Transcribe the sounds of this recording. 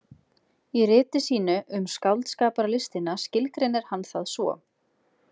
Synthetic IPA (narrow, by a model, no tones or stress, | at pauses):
irɪːt̪ɪsiːnʏʔʏmskawlt̪skaːpaɾlɪst̪ɪnascɪlkɾɪnɛɾ̥hanθaðsvɔ̰